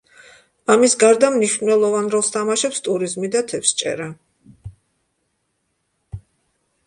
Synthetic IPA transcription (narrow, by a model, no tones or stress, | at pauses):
amisɡaɾd̪amniʃvnnɛlˠɔvanɾɔlˠst̪ʰamaʃɛpst̪ʼuɾizmid̪at̪ʰɛpst͡ʃʼɛ̰ɾa